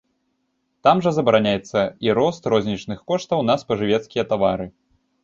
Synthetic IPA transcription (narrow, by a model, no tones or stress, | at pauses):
t̪amʐɐzɐbɐɾanʲajɛt̪sːɐiɾɔst̪ɾɔzʲnʲit͡ʂnɨxkɔʂt̪ɐwnɐspɐʐɨvʲɛt̪skʲijɐt̪avaɾɨ